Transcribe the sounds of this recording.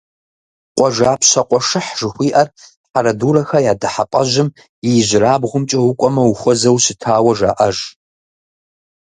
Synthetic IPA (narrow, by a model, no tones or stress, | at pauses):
qʷʼɔʒaːpʰɕɐqʷʼɔʂɨħʒ̥ɨxʷiːʔɐr | ħaɾɐduːɾɐxɐjaːdɐħapʼɐʒɪm | jɪjʑʷɪraːbʁʷʊmt͡ʃʼɐwʊkʷʼɔmɐwʊxʷɔzɐwsɪtʰaːwɐʒa̰ːʔɐʒ